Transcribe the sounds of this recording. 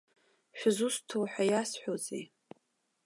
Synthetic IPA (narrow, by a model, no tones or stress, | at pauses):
ʃᶣʊzustʰowħʷᶣajasħʷᶣozḛj